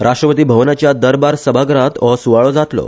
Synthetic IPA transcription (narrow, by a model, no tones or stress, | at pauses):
ɾʔaʂʈɾəpət̪̬iːbʱəʋnat͡ɕjad̪əɾbaɾsəbʱaɡɾãt̪ʋəsuʋaɭod͡zat̪lo̰